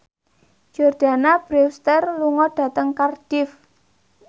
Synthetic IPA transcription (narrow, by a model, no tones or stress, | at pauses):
d͡ʒ̥ɔrd̥a̤nab̥ɾewst̪ərluŋɔɖ̥a̤t̪əŋkard̥ɪf